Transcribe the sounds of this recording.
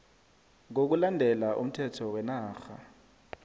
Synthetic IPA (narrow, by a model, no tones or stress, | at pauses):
ŋok̬ulandʱɛlaʔum̩tʰɛtʰɔwɛnaːxa